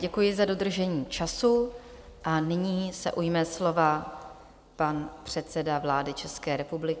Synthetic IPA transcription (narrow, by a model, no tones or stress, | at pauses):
ɟɛkujɪzado̞d̪r̩ʒɛɲiːt͡ʃasu | ʔanɪɲiːsɛ̰ʔujmɛslo̞va | panpr̝̥ɛt̪t͡sɛdavlaːdɪt͡ʃɛskɛːɾɛpublɪkɪ